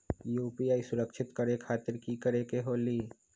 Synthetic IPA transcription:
juːpiaːisʊɾəkʃʰɪt̪kəɾekʰaːt̪ɪɾkikəɾekeɦoːliː

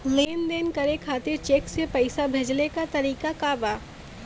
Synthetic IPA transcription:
leːnd̪eːnkɐɾekʰaːt̪ɪɾt͡ʃeːksepɐɪsabʱed͡ʒlekat̪ɐɾiːkakaːbaː

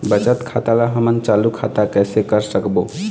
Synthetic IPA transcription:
bət͡ʃət̪kʰat̪alaɦəmənt͡ʃalukʰat̪akəsekəɾsəkbo

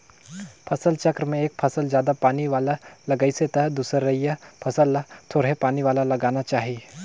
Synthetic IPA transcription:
pʰɐsəlt͡ʃɐkɾmẽeːk̚pʰɐsəld͡ʒjaːd̪apaːniʋaːlalɐɡəiset̪ɐɦd̪uːsəɾːɐɦijapʰɐsəlːt̪ʰoːɽɦepaːniʋaːlalɐɡaːnat͡ʃaːɦi

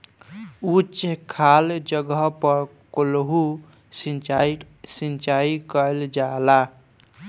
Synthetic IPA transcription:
ut͡ʃekʰald͡ʒəɡəɦpəɾkolɦu | sn | sint͡ʃaikəld͡ʒala

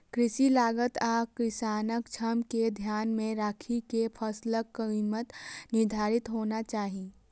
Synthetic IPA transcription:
kɾɪʃilaːɡət̪aːkɪsaːnəkt͡ʃʰəmked̪ʱjaːnmẽɾaːkʰikepʰəsləkːəimət̪nɪɾd̪ʱaːɾɪt̪ɦoːnat͡ʃaːɦi

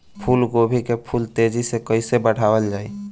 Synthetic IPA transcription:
pʰuːlɡobʱikepʰult̪ed͡ʒisekəɪsebəɽ̤awəld͡ʒaːi

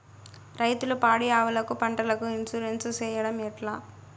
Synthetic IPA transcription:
ɾɐjt̪ulupaːɽijaːʋɐlɐkupɐɳʈɐlɐkuinsuɾensɐt͡ʃɛːjɐɽɐmɛʈlaː

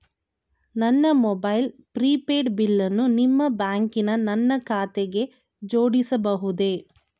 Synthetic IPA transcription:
nɐnːɐmɔbɐjlpɾiːpeːɖbilːɐnːunimːɐbaːŋkinɐnɐnːɐkʰaːt̪eɡe̞ | d͡ʒoːɽisɐbɐɦud̪e̞

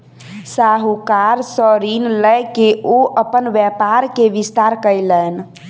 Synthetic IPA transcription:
saɦukaɾsəɾinləjkeʔoʔəpənʋjɛpaɾkeʋist̪aɾkəjlən

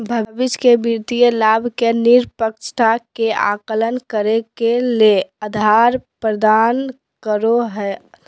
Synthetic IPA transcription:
bʱəbiskebiɾt̪ijəlabʱkeniɾpəkt͡ʃʰʈʰakea̰kələnkəɾekeleəd̪ʱaɾpɾəd̪an | kəɾoɦɛ

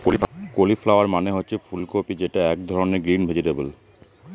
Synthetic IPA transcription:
koliflaoaɾmaneɦotːɕʰefulkopid͡ʑeʈaɛk̚d̪ʱɔɾoneɾɡɾinbʱed͡ʑiʈebul

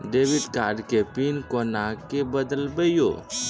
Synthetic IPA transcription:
ɖeːʋid̪kaɖkepinkonakebəd̪əlbəjjo̰

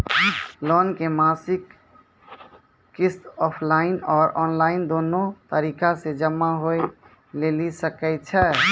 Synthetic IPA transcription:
lɔnkemasik | ist̪ɔpʰlainɔːɾɔnlaɪnd̪onot̪əɾikased͡ʒəmːaɦoj | lelisəkɛɪt͡ʃʰɛ

